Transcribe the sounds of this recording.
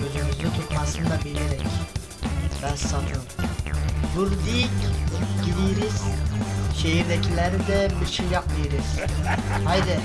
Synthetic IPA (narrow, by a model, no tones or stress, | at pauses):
øzymyzd̪yt̪ʰut̪masɯnd̪abileɾɛc | bæsat̪ɯm | buɾd̪icɟid̪ijɾiz̥ | ʃejiɾd̪ɛcʰilʲæɾid̪ɛbiɾʃejːapmɯjɯɾɯz̥ | hajd̪ɪ